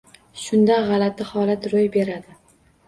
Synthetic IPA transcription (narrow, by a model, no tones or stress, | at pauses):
ʃʊnd̪aʁɑlat̪ɪhɒlat̪ɾojbe̞ɾad̪ɪ